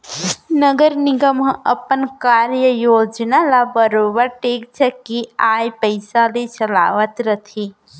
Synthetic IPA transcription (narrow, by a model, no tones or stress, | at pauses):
nəɡəɾniɡəmɦə̃ʔəpənkaɾjəjod͡ʒnalabəɾobəɾʈek̚t͡ʃʰəkiajpəɪsalet͡ʃəla̰ʋət̪ɾət̪ʰi